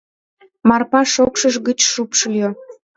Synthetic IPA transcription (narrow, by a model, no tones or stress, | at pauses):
mɑrpɑʃokʃəʒɡət͡ɕʃupʃəljo